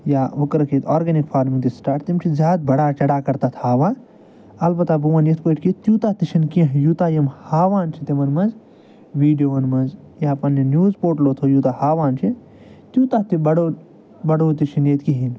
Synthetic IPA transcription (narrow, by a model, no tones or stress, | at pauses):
jaːukɾɐkit̪ʰɔːɾɡɐnikpʰaːɾmĩŋt̪isʈaːʈt̪imt͡ʃʰizaːd̪̚bɐɽaːt͡ʃɐɽaːkɐɾt̪at̪ʰhaːʋaː | ɐlbɐt̪abuʋɐnjet̪ʰpɐʈkit̪juːt̪at̪it͡ʃʰinkiɐ̃ɦjuːt̪aːjɐmhaːʋaːnt͡ʃʰit̪imɐnmɐnz | ʋiːɖijoːʋɐnmɐnz | jaːpɐninjuːzpoːʈloːt̪ʰojuːt̪ahaːʋaːnt͡ʃʰi | t̪juːt̪at̪ibɐɽoː | bɐɽoːt̪it͡ʃʰinjet̪kiɦin